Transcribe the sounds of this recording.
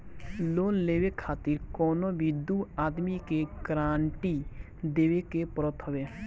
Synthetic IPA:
loːnleːwekʰaːt̪ɪɾkɔːnobʱid̪uːaːd̪mikekɾaːɳʈi | d̪eːwekepɾət̪ʰɦʊʋeː

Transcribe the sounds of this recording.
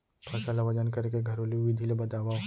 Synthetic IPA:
pʰɐsalaʋɐd͡ʒənkɐɾkeɡʱɐɾoliʋid̪ʱilebɐt̪aːʋa

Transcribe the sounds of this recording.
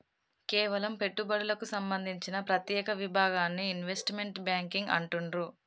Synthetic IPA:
kɛːʋɐlɐmpe̞ʈːubɐɽulɐkusɐmbɐnd̪ʱiɲt͡ʃinɐpɾɐt̪jɛːkɐʋibʱaːɡaːnːiːnʋe̞sʈme̞ɳʈbjaːŋkiŋɡɐ̰ɳʈunɾu

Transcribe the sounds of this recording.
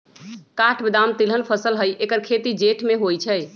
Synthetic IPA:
kaʈʰbəd̪amt̪ilənpʰəsəlɦəjʔekəɾkʰet̪id͡ʒeʈʰmeɦojt͡ʃʰə

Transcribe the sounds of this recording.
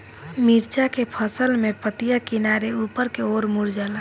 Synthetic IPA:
miɾt͡ʃakepʰəsəlmepət̪ijakinaɾeupəɾkeoːɾmuɾd͡ʒala

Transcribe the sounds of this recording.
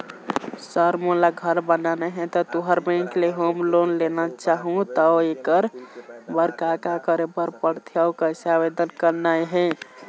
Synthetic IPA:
səɾmolaɡʱəɾbənanɛɦɛ̃t̪ɔt̪uɦəɾbɛ̃ŋkleɦomlonlenat͡ʃaɦũt̪ɔekəɾbəɾkakakəɾepəɾpəɽt̪ʰjaʊkəsabed̪ənkəɾnajɦɛ̃

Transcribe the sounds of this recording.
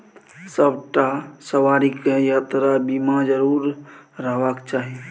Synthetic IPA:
səbʈasəʋaːɾikejat̪ɾabimad͡ʒəɾuːɾɾəɦʋakt͡ʃaːɦi

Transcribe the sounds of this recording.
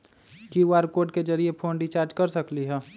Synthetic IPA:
kiaːɾkoːɖ̚ked͡ʒɐɾiepʰoːnɖit͡ʃaːɾd͡ʒkɐɾsɐkliɦɛː

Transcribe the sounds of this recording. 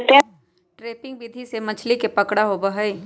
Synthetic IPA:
t̪e | ʈɾeːpɪ̃ŋɡ̚biːd̪ʱisemɐt͡ʃʰlikepɐkɽaɦobɐɦəi

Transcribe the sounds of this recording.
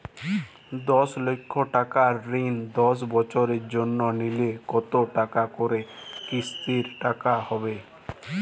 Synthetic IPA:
d̪ɔslokʰːoʈakaɾːind̪ɔs̬bɔt͡ʃoɾeɾd͡ʒonːɔnilekɔt̪oʈakakoɾekist̪iɾʈakahɔbe

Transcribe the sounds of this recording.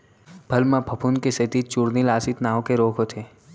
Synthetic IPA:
bʱɐlmãbʱɐpʰunkeset̪it͡ʃuɾnilaːsit̪naːõkeɾoːkʰɦot̪ʰeː

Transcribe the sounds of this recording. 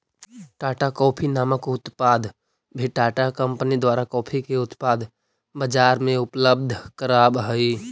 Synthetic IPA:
ʈaːʈakɔːpʰinaːməkʊt̪pad̪ʱ | bʱiʈaːʈakə̃mpnid̪waːɾakɔːpʰikeʊt̪paːd̪ʱ | bəd͡ʒaːɾmẽʊpləb̚d̪ʱkəɾaːbɦəi

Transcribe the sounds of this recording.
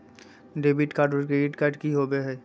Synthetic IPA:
ɖebiʈkaɖoɾkɾeɖiʈkaɾɖkiɦobeɦɛː

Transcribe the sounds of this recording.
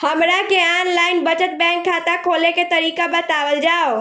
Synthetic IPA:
həmɾakeanlaɪnbəd͡ʒət̪̚bɛ̃ŋkʰːat̪akʰoːleket̪əɾikabət̪aʋəld͡ʒaːo

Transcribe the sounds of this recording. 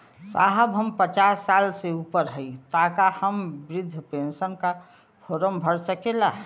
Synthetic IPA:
sa̰ɦəbɦəmpət͡ʃaːsːaːlseupəɾɦəit̪aːkahəmbɾɪd̪ʱːpensənka | fʰoːɾəmbʱəɽsəkela

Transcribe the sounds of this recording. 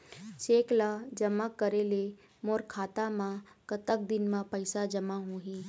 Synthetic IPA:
t͡ʃeːklad͡ʒəmakːəɾele | moːɾkʰaːt̪amãkət̪ək̚d̪ɪnmãpəɪsad͡ʒəmaɦuɦiː

